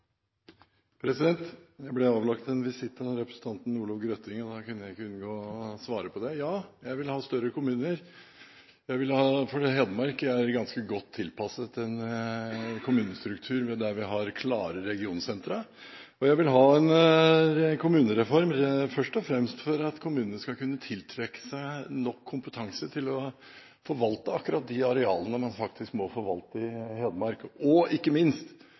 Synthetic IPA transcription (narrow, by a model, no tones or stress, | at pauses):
pʰɾɛsɪd̪ɛnt̪jæɪblɛɑːʋlɑkt̪ɛnʋɪsɪt̪ːənɾɛpɾə̥sn̩t̪ʰɑnt̪n̩uːlɑʋɡɾœt̪ɪŋɔd̪ɑkʉnːəjæɪɪkːəʉnɡoːsʋɑːɾəpʰɔd̪ɛjɑːjæɪʋɪlhɑːst̪œɾəkʰʊmʉːnəɾ | jæɪʋɪlhɑːfɔɖiɦɛːd̪əmɑɾkæɾɡɑnskəɡɔt̪ʰːɪlpʰɑsət̪ɛn | kʰʊmʉːnəst̪ɾʉkt̪ʰʉːɾmɛd̪æʋɪɦɑɾkʰlɑːɾəɾɛɡɪuːnsɛnt̪ɾə | ɔjæɪʋɪlɦɑːɛn | kʰʊmʉːnəɾɛfɔɾmfœʂʈɔfɾɛmst̪fɔɾɑt̪kʰʊmʉːnənəskɑkʰʉnːət̪ʰɪlt̪ʰɾɛkːə̥sænɔkʰːʊmpət̪ʰɑŋsət̪ʰɪlɔ | fɔɾʋɑlt̪əɑkːʉɾɑt̪̚d̪ɪɑɾɛɑːlənəmɑnfɑk̚t̪ɪskmɔfɔɾʋɑlt̪əɪheːd̪əmɑɾkɔɪkːəmɪnst̪